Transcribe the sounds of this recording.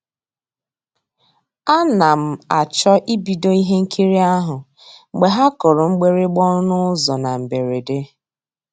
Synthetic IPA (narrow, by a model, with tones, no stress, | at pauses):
a˦na˨m̩˨a˨t͡ʃɔ˦ʔi˦bi˨do˦i˦ɦe˦ŋ̩˦kʰi˦ɾi˦a˦ɦʊ˨ | ŋ͡m̩˨ɡ͡be˨ɦa˦kɔ˨ɾʊ˨ŋ͡m̩˦ɡ͡be˦ɾe˦ɡ͡bɔ˦nʊ˦zɔ˨na˨m̩˨be˨ɾe˨de˦